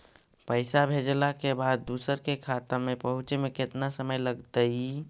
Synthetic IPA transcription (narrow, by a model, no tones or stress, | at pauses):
pəɪsabʱed͡ʒlakebad̪ːusəɾkekʰat̪əmepəɦut͡ʃemeket̪nasəməjləɡt̪əi